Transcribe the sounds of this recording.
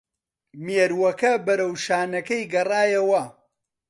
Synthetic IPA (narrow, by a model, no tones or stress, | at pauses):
meɾwɐkɐbɐɾɐwʃaːnɐkɐjɡɐraːjɐwɐ